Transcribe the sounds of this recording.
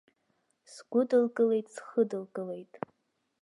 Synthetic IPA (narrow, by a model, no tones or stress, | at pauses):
sɡ̥ʷʊdɨlkʼɨle̞jtʼsχədɨlkʼɨle̞jtʼ